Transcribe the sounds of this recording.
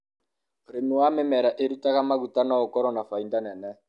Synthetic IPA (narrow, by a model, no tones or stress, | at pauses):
ɾenuwamɛmɛɾaʔeɾutaɣamaɣutanaɔkɔɾɔnafaindanɛnɛ